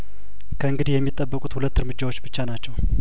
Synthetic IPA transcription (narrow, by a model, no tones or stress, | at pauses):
kʰəɨŋɡɨd̪ihjɛmːit̪ʼːəbːəkʼut̪hulət̪ːɨɾmɨd͡ʒːawo̞t͡ʃːbɨt͡ʃːanat͡ʃːɛw